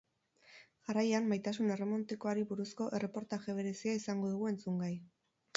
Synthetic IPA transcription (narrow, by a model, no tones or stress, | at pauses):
ʝarajamːajt̪as̬une̞re̞mo̞nt̪iko̞aɾiβuɾusko̞ʔe̞re̞po̞ɾt̪aʝe̞β̞e̞ɾe̞siaisaŋɡo̞ðuɣ̞ue̞nt͡suŋɡaj